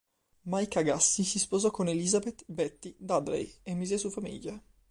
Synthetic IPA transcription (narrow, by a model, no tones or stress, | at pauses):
majkaɡasːisispozɔkːonelizabet̪bɛt̪ːid̪ad̪ɾḛjemːizesufamḭʎːa